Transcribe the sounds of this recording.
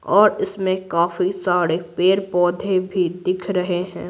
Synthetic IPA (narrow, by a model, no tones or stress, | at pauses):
ɔːɾɪsmẽkaːfisaːɾepeːɾpɔːd̪ʱebʱid̪ɪkʰɾɐɦeɦɛ̰̃ː